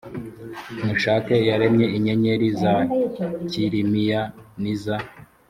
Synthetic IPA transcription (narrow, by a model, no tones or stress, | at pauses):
muʃaːkejaɾemɲe̞iɲe̞ɲe̞ɾizaciɾimijaniza